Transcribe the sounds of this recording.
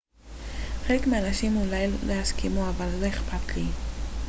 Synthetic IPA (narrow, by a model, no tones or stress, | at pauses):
χelekmeanaʃimulajllʔehaskʰimuavalːoeχpatli